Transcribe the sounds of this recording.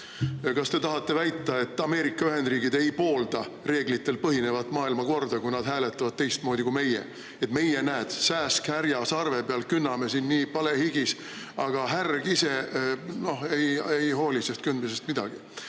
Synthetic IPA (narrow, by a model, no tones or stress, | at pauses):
kɑst̪e̞t̪ɑɦɑt̪ˑːe̞væjt̪ˑːɑe̞t̪ːˑɑme̞ːɾikːˑɑyɦe̞nd̪riːɡ̥id̪e̞jpo̞ːld̪̥ɑre̞ːɡlit̪ˑːe̞lpɤɦine̞vɑt̪ːˑmɑːilmɑko̞rd̪̥ɑkujnɑd̪̥ɦæːle̞t̪ːˑɑvɑd̪̚t̪e̞jst̪̚mo̞ːd̪ikume̞jḛ | e̞t̪ːme̞jenæːd̪̥sæːskhæɾjɑsɑrve̞peɑlkynːɑme̞sinːiːpɑle̞hiɡis | ɑɡ̥ɑɦærɡ̥ise̞no̞he̞jejɦo̞ːlʲise̞st̪kynd̪mise̞st̪mid̪̥ɑɡ̥i